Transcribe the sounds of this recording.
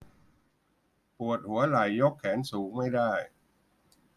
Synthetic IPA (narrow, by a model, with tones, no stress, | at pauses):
pu˨˩ət̪̚hu˩˦ɐla˨˩jːo˦˥kʰːɛː˩˦nsuː˩˦ŋma˥˩jdaː˥˩j